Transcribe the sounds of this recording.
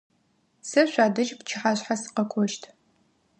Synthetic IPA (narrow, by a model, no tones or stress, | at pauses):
sɨɕʷaːdɐʒpt͡ʃʰɪħaːɕħasɨ̥qɐkʷʰɔʃtʰ